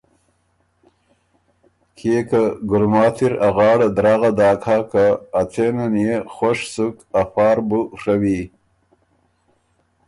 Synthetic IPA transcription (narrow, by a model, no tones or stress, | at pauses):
kʰekaɡʊɾmɑːt̪ʰiɾaɣɑːɽad̪ɾaːɣad̪ɑːkʰaːkaːt͡senanjexoʂsuk | afɑːɾbuʂawi